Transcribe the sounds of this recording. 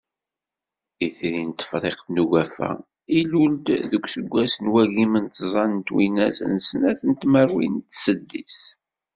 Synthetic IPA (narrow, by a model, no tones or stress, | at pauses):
iθɾint̪ːə̥fɾˤeqθnuɣæfæ̰ | iluld̪ðəkʷsəɡʷːæsənwæʝimənt̪zˤɑnənt̪wḭnæsə̰nsənæθənt̪məɾwint̪ːsəd̪ːis